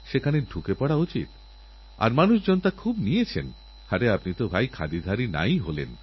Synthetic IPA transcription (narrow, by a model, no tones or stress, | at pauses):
ʃekʰaneɖʱukepɔɽaut͡ɕḭt̪ | a̰ɾmanuʃd͡ʑɔnt̪akʰubniet͡ɕʰen | haʈeapnit̪obʱajkʰa̰d̪id̪ʱaɾina̰jɦolḛn